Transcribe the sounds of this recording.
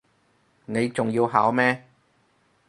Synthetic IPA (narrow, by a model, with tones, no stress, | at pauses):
ne˨˧jt͡sʊ˨ŋjiː˧wɦaː˨˥wmɛː˥